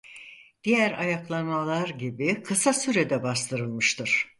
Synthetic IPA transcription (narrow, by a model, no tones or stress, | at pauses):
d̪̥ijæɾajaklˠanmalˠaɾɟibikʰɯsasyɾed̪ɛbast̪ʰɯɾɯlˠmɯʃt̪ʰɯɾ̥